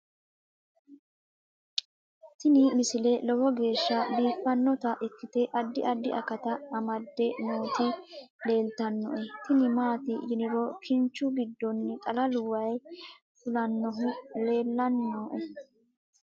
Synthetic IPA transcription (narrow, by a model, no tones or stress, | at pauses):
t̪ɪnɪmɪsɪlɛlɔwɔɡe̞ːʃːɐbiːfːɐnːɔt̪ɐʔɪkːɪt̪ɛʔɐd̪ːɪʔɐd̪ːɪʔɐ̰kɐt̪ɐːmɐd̪ːɛnoːt̪ɪ | le̞ːlt̪ɐnːɔ̰ʔɛt̪ɪnɪmaːt̪ɪjɪnɪɾɔkʰɪnt͡ʃːʊɡɪd̪ːɔnːɪt̪ʼɐlɐlʊwɐj | fʊlɐnːɔɦʊle̞ːlːɐnːoːʔɛ